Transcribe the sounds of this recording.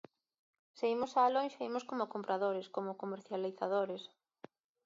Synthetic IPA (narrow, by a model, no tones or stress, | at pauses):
seimosaːlonʃaimoskomʊkompɾaðoɾeskomʊkomeɾθjaliθaðoɾes